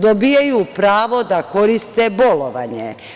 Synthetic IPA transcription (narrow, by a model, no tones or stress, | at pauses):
d̪obijajuːpɾaːʋo̞d̪ako̞ɾist̪ebo̞loʋa̰ɲḛ